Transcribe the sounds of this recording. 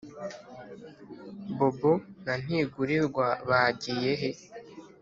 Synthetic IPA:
bobun̥an̥iːɡuɾiɾɡwaβaːɟiːje̞ɦe̞

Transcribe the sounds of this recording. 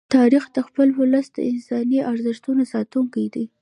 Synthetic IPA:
t̪ɑɾixd̪əxpəlwʊləsd̪̥ə̰ɪnsɑniʔaɾzəʃt̪unosɑt̪uŋkajd̪i

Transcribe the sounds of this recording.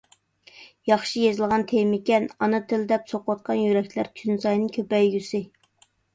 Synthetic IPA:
jɑχʃijezɨlˠʁɑnt̪ʰemɪkʲɛnɑnɨt̪ʰɪld̪ɛpsoqwɑt̪̚qʰɑnjyɾɛk̚ʲlæɾkʲʰynzɑjnɨŋkʲʰøpɛjːysɪ

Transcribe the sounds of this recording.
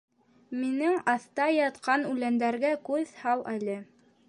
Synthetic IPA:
minɘŋɑθt̪ɑjɑt̪qɑnʉlænd̪æɾɡækʉðhɑlˠʔælɘ

